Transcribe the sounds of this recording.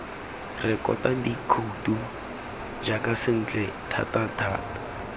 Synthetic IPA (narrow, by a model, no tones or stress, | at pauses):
rɪkʼɔ̰tadikʰoutu | d͡ʒakasɪn̩t͡ɬʼɛtʰa̰tatʰa̰ːtḁ